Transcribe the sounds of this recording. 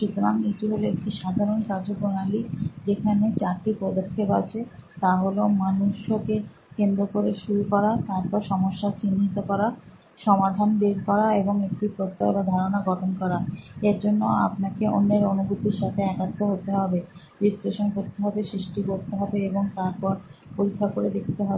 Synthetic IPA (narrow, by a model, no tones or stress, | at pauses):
ʃut̪oɾaŋiʈiɦolekiʃad̪ʱaɾonkad͡ʑobonalid͡ʑekʰanet͡ɕaɾʈipɔd̪okʰːepat͡ɕʰet̪aɦolomanuʃoke | kend̪ɾokoɾeʃuɾukɔɾat̪aɾpɔɾʃɔmoʃːat͡ɕinːit̪okɔɾa | ʃɔmad̪ʱanbeɾkɔɾaeboŋekʈipɾot̪ːaebad̪ʱaɾonaɡɔʈʰonkɔɾaeɾd͡ʑonːoa̰pnakeʔo̰nːeɾonubʱut̪iɾʃat̪ʰeɛkat̪ːoɦot̪eɦɔbe | ɾisleʃonɦot̪ːeɦɔbeʃɾiʃʈikoɾt̪eɦɔbeeboŋt̪aɾpɔɾpoɾikʰːakoɾed̪ekʰt̪eɦɔbe